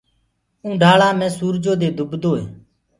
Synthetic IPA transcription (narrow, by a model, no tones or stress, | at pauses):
ũːɖʱaːɭãːmɛ̃ːsuːɾd͡ʒoːd̪eːd̪ʱʊbd̪oːḛː